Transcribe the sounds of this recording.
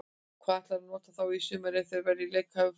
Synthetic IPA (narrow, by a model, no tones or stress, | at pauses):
kʰvaːðɛht̪laɾnɔːt̪aθawisʏːmaɾɛθɛɾvɛɾðɪlɛjkʰhavʏ